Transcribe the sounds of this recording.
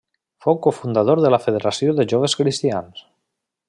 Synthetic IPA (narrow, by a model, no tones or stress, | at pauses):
fowkofund̪að̞oɾðəlafeð̞eɾasjoðeʒoβeskɾist̪ians